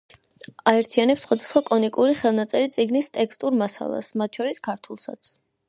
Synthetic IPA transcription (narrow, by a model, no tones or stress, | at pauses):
aɛɾt̪ʰianɛpsχwad̪asχwakʼɔnikʼuɾiχɛlˠnat̪sʼɛɾit̪sʼiɡnist̪ʼɛkst̪ʼuɾmasa̰lˠa̰smat̪̚ʰʃʰɔɾiskʰaɾt̪ʰulˠsa̰t̪sʰ